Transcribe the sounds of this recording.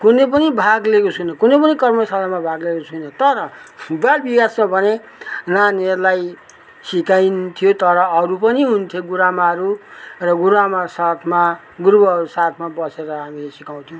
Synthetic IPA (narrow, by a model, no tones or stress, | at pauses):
kunepʌnibʱaɡlekosunʌkunepʌnikʌrmʌsalamabʱaɡlekosʰunʌt̪ʌɾʌbalbikasmabʱʌne | nanerlaj | sikajnt̪ʰijot̪ʌɾʌʌɾupʌniɦunt̪ʰjoɡuɾamaɾurʌɡuɾamasat̪ʰma | ɡuɾbʌusat̪ʰmabʌseɾʌɦamilesikaw̃t̪ʰjõw̃